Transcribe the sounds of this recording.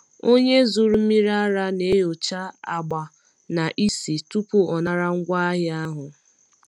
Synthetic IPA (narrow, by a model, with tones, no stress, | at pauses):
o˦ɲe˦zu˨ɾu˦mi˦ɾa˦a˦ɾa˦ne˦jo˨t͡ʃa˦a˦ɡ͡ba˨ | na˨ʔi˦si˨tu˦pu˦ɔ˨na˨ɾa˦ŋ̩˦ɡʷa˦a˦ɦɪ˦a˦ɦʊ˨